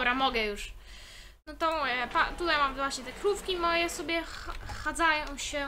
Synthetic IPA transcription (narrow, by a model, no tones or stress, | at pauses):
ɾamɔɡɛjuʂ | nɔt̪ɔ̃pat̪ut̪ajmamvwaɕɲɛt̪ɛkɾufkʲimɔjɛsɔbʲjɛxad̪zajɔ̃w̃ɕɛ